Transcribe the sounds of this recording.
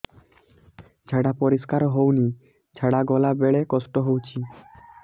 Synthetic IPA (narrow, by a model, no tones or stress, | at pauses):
d͡ʑʱɛɽapɔɾiskaɾɦowni | d͡ʑʱɛɽaɡɔlabeɭekɔsʈoɦowt͡ɕʰi